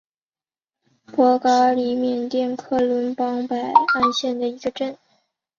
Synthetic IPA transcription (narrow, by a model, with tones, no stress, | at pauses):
pwɔ˧˥kɑ˧˥li˧˥mjɛ˨˩nt̪jɛ˥˧nkʰɤ˥˩lwə˧˥npɑ˥ŋpa˨˩ɪa˥˧nɕjɛ˥˩nd̪ə˩i˧˥ɡə˧ʈ͡ʂə˥˩n